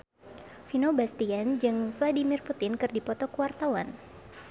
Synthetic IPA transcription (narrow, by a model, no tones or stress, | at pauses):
finobast̪iand͡ʒɨŋfladimirput̪ɪnkɨrdipɔt̪ɔkəwart̪awan